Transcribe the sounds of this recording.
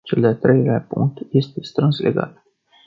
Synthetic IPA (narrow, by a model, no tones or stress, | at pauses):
t͡ʃeld̪eat̪ɾʔe̞jleapṵŋk̚t̪je̞st̪e̞st̪ɾɨnslʔe̞̰ɡa̰t̪